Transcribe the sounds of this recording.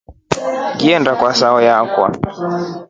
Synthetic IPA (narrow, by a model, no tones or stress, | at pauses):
ɡiɛndakwasaɔjakwa̰